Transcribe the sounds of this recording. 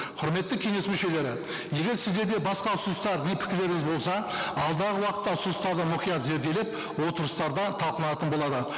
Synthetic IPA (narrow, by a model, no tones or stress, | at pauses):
qʰʊɾme̞t̪ːɪkʲʰe̞ŋe̞smʏʃe̞le̞ɾɪ | je̞ɡʲe̞ɾsɪzd̪e̞ɾd̪e̞bɑsqɑʊsənəst̪ɑɾnepʰɪ̥kʲɪɾle̞ɾɪŋɪzbo̞lˠsɑɑlˠd̪ɑʁəwɑqə̥t̪ːɑʊsəəst̪ɑɾd̪əmʊχijɑt̪ze̞ɾd̪e̞lep̚ | wo̞t̪əɾəst̪ɑɾd̪ɑt̪ʰɑlˠqəlˠɑnɑt̪ənbo̞lˠɑd̪ə